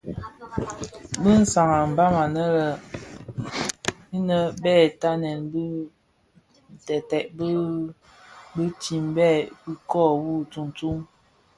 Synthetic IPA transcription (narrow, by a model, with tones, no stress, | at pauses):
bə˦n̩˦sa˨ŋa˨m̩˨ba˦ma˨nə˦lə˨ | i˦nə˦bɛ˦˨ta˦nɛ˨nbə˦ | n̩˨tɛ˨tɛ˨ʔbə˦ | bə˦ti˨mbɛ˦˨i˦kɔ˦˨wu˦˨t͡su˨ŋ˨tu˦ŋ